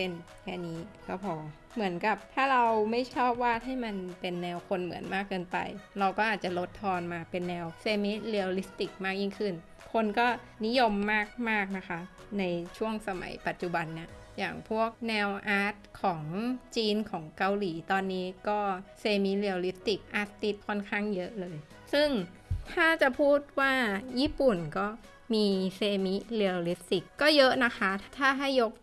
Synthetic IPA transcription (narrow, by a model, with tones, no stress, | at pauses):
pe˧˥˩n | kʰɛ̰ː˥˩niː˦˥kʰa˨˧˩pʰɔː˧˩ | mɯ˩˦ənka˨˩p̚t̪ʰaː˥˩ɾa˧wma˥˩jt͡ɕʰɔː˥˩p̚waː˥˩ha˥˩jma˧npe˧nːɛː˧wkʰo˧nmɯ̰˨˩˦ənmaː˥˩kːɤː˧npa̰˧jɾa˧wkɔː˥˩ʔaː˨˩t̪̚t͡ɕa˨˩lo˦˥t̪ʰːɔː˧nmaː˧pe˧nːɛː˧wseː˧miː˦˥li˧wli˦˥st̪i˨˩k̚maː˥˩k̚jiː˥˩ŋkʰɯ˥˩n | kʰo˧nkɔː˥˩ | ni˦˥jo˧mːaː˥˩k̚maː˥˩k̚na˦˥kʰa˦˥ʔ | na˧jt͡ɕʰu˥˩əŋsa˧ma̰˨˩˦jpa˨˩t̪̚t͡ɕu˨˩ba˧nːi˧˥˩ɐjaː˨˩ŋpʰu˥˩ək̚nɛː˧wʔaː˦˥t̪̚kʰɔː˩˦ŋt͡ɕiː˧nkʰɔː˩˦ŋka˧wliː˩˦t̪ɔː˧nːiː˦˥kɔː˥˩seː˧mi˦˥li˧li˦˥p̚t̪i˨˩k̚ʔa˦˥t̪t̪i˦˥t̪̚kʰɔ˥˩nkʰaː˥˩ŋjɤ˦˥ʔlɤː˧j | sɯ˥˩ŋ | t̪ʰaː˥˩t͡ɕa˨˩pʰuː˥˩t̪̚waː˥˩jiː˥˩pu˨˩nkɔː˥˩ | miː˧seː˧mi˦˥li˧li˦˥p̚t̪i˨˩kːɔː˥˩jɤ˦˥ʔna˦˥kʰa˦˥t̪ʰaː˥˩ɦa˥˩jːo˦˥k̚